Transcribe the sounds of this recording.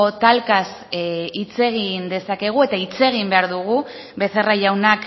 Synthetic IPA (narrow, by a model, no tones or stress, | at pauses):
ot̪alkasit͡se̞ɣ̞ind̪e̞sake̞ɣ̞ue̞t̪ait͡se̞ɣimbe̞aɾðuɣ̞u | be̞θeraʝawnak